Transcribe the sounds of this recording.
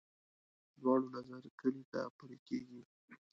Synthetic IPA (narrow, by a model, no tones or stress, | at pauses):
d̪wɑɽonazaɾkəlit̪a̰pəɾekeɡi